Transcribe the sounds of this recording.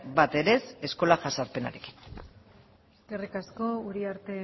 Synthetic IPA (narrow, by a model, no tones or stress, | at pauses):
bat̪e̞ɾe̞se̞sko̞laʝasaɾpe̞na̰ɾeki̥n | eskerikasko̞uɾiaɾt̪e̞